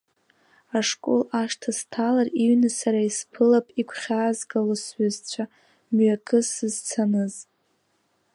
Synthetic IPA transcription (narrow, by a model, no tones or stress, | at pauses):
aʂkʼo̰laʂtʰastʰalariɥnɨsaɾaispʰɨlapʼikʷʰχʲaːzɡalosɥazt͡ɕʷʰa | mɥakʼʰɨsɨzt͡sʰanɨz